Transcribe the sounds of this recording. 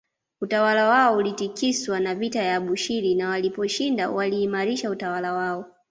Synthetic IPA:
utawalawaɔulitikiswanavitajaɓuʃiɾinawalipɔʃindawaliːmaɾiʃautawalawaɔ

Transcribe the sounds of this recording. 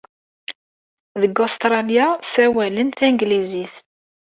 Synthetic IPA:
ðəɡost̪ɾˤɑljasæwælənθæŋɡliziθ

